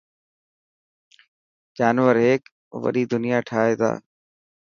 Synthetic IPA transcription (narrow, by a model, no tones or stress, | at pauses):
d͡ʒaːnʋəɾɦeːk | ʋə̰ɗiːd̪ʊnɪjaːʈʰaːɦeːt̪ʰa̰ː